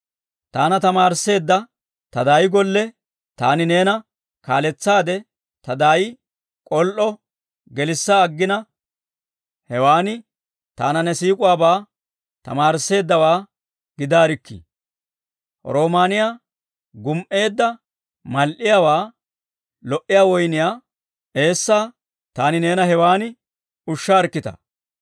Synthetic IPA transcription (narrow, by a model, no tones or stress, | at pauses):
t̪aːnɐt̪ɐmaːɾse̞ːd̪ːɐ | t̪ɐd̪aːjɪɡɔlːɛ | t̪a̰ːnɪne̞ːnɐ | kaːlɛt͡sːaːd̪ɛ | t̪ɐd̪aːjɪ | kʼɔlʔɔ | ɡɛlɪsːaːɡːɪnɐ | hɛwaːnɪ | t̪a̰ːnɐnɛsiːkʼʊwaːbaː | t̪ɐ̰maːɾɪsːe̞ːd̪ːɐwaː | ɡɪd̪aːɾɪkːḭ | ɔ̰ɾo̞ːmaːnɪjaː | ɡʊmʔe̞ːd̪ːɐ | mɐlʔɪjawaː | lɔʔɪjaːwɔjnɪjaː | ʔe̞ːsːaː | t̪aːnɪne̞ːnɐɦɛwaːnɪ | ʊʃːaːɾkːɪt̪ɐ̰